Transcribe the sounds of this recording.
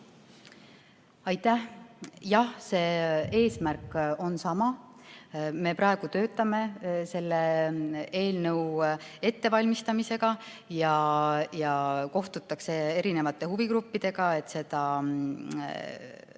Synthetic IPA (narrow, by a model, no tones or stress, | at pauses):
ɑjt̪ːˑæhjɑhse̞ːe̞ːsmærko̞nsɑmɑ | me̞pɾʔɑeɡ̥ut̪ø̞ːt̪ːˑɑme̞se̞lːe | e̞ːlnɤuwe̞t̪ːe̞vɑlʲmist̪ɑmise̞ɡ̥ɑ | jɑjɑko̞ht̪ut̪ːˑɑkse̞eɾine̞vɑt̪ːˑe̞huvikɾupːid̪̥e̞ɡ̥ɑe̞t̪ːse̞d̪̥ɑ